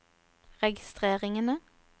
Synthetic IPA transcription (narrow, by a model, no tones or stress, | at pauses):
ʁɛɡɪst̪ʁeːʁɪŋənə